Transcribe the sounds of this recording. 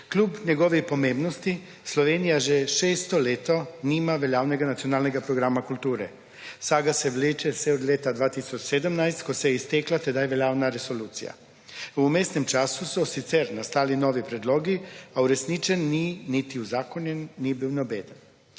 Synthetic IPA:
klʲuːpɲɛɡoʋixpomẽːmbnost̪i | slɔʋeːnijaʒɛʃeːst̪oleːt̪oniːmaʋeljaːwnɛɡanat̪sionaːlnɛɡapɾoɡɾaːmakult̪uːɾɛ | saːɡasɛʋleːt͡ʃɛsɛod̪lʲeːt̪ad̪ʋaːt̪isɔt͡ʃsed̪əmnajst̪kosɛjist̪eːklat̪ɛd̪ajʋeljaːwnaɾesoluːt̪sḭja̰ | umeːst̪nɛmt͡ʃaːsusɔsit̪sɛɾnast̪aːlinoːʋipɾɛd̪loːɡiauɾɛsniːt͡ʃɛnːinit̪iuzaːkonjɛnːibiwnobeːd̪ən

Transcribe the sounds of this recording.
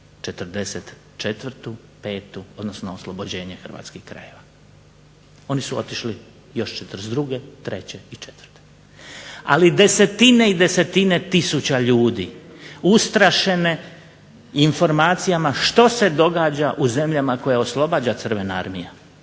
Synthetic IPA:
t͡ʃet̪r̩d̪eset̪ | t͡ʃet̪ʋrt̪u | pe̞ːt̪uo̞d̪no̞snooslˠobod͡ʑe̞ːɲexr̩ʋa̰ːt̪skixkɾa̰je̞ʋa | o̞nisuo̞t̪iʃli | jo̞ʃt͡ʃet̪ɾsd̪ɾuɡe̞t̪ɾe̞t͡ɕeit͡ʃet̪ʋr̥t̪e̥ | a̰lid̪e̞se̞t̪ine̞id̪e̞se̞t̪ine̞t̪isut͡ɕaʎuːd̪iːust̪ɾaʃe̞ne̞ | info̞ɾmaːt̪sijamaʃt̪o̞se̞d̪o̞ɡaːd͡ʑaʔuze̞mʎamako̞jao̞slˠo̞baːd͡ʑat̪sr̩ʋenaa̰ɾmija

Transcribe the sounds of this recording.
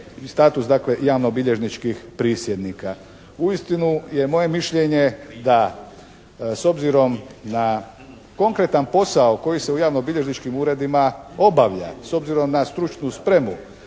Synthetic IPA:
st̪aːt̪usd̪akle̞jaːʋnobiʎe̞ʒnit͡ʃkixpɾiːsjed̪nika | uist̪inuje̞mo̞je̞miʃʎe̞ɲe̞d̪a | so̞bziɾo̞mna | ko̞ŋkɾe̞t̪anpo̞saoko̞jise̞ujaːʋnobiʎe̞ʒnit͡ʃkimuːɾe̞d̪imao̞baʋʎa̰so̞bziɾo̞mnast̪ɾut͡ʃnuspɾe̞mu

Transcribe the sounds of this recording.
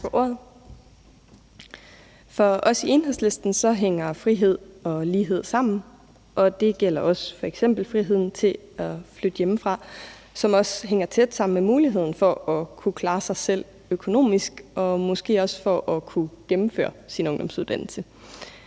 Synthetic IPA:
ɒʔo̝ɐ̰ð̩ˠ | fɒ̽ɒ̽sie̝nɦḛsle̝sd̥n̩sɒ̽ɦeŋ̰ɐfʁiɦe̝ð̞̰ˠɒ̽liːɦe̝ð̞̰ˠsɑ̈m̰n̩ | ʔɒ̽d̥e̝ɡ̥el̰ɐɒ̽sfɒ̽eɡ̥sem̰b̥l̩fʁiɦe̝ð̰ˠn̩t͡sʰe̝ | æflød̥əjeməfʁɑ̈ | sɒ̽mɒ̽sɦeŋɐt͡sʰed̥sɑ̈m̰n̩memuːliɦe̝ð̰ˠn̩fɒ̽ɒ̽kʰukʰlɑ̈ːsɑ̈ɪsel̰ | økʰo̝no̝̰ːmisɡ̥ɒ̽mɒ̽sɡ̥e̝̰ːɒ̽sfɒ̽ʔɒ̽kʰuɡ̥emm̩fø̰ːɐsinɔŋd̥ɒ̽msuðˠd̥æn̰l̩sə

